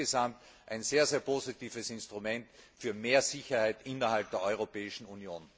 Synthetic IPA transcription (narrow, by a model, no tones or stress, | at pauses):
ezamt | ʔaɪnz̥eːɐzeːɐpʰoːzitiːfəsɪ̃nstʁ̥umɛntfyːɐmeːɐzɪçɐhaɪtʔɪnɐhalp̚d̥eːɐɔʏʁ̞opɛːɪʃn̩unjoːn